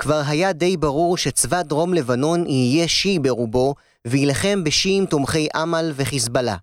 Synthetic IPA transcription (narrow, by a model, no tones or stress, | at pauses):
kvaʁɦajade̞jbaʁuʁʃet͡svadʁo̞mle̞vano̞niije̞ʃibe̞ʁubo̞ | veilaχe̞mbeʃiːmtomχe̞jʔamalve̞χisbala̰